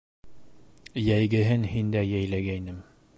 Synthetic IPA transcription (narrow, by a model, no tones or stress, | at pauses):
jæjɡɘ̆ɦɘnhind̪æjæjlæɡæjnɘm